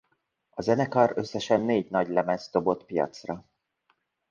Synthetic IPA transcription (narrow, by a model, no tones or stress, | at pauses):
ɒzɛnɛkɒrø̞sːɛʃɛnːeːɟnɒɟlɛmɛst̪o̞bo̞t̪pijɒ̰t̪srɒ